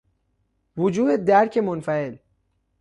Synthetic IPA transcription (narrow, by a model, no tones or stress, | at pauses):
vʊd͡ʒuːd̪ed̪æɾcʰe̞monfæe̞l